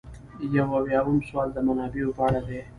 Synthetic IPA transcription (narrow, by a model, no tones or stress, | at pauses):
jawawjɑːwumswɑːld̪əmanaːbiupaːɽad̪e